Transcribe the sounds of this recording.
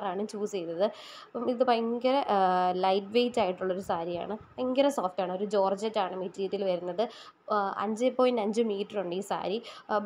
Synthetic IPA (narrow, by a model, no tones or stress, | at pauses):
raːɳɨt͡ɕuːst͡ɕejnːɐðɨ | pːɐmiðɨpɐŋɡɐɾelɐjʈʋejtːaːjiʈːuɭːɐoɾusaːɾija̰ːɳɨ | ɐŋɡɐɾɐso̞ːfʈaːɳɨo̞ɾud͡ʑo̞ːrd͡ʑɐtːaːɳɨmitːɾiːðilʋɐɾunːɐðɨ | ɐ̰ɲd͡ʑɨpːoːjndɐɲd͡ʑɨmiːʈːɐruɳɖiːsa̰ːɾi